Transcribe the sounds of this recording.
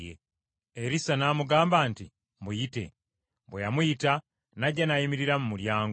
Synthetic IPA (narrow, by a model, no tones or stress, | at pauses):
jḛ | eɾisanaːmuɡaːmbanti | mujite̞̰ | bwejamujita | naɟːanajimiɾiɾamumuljaːŋɡ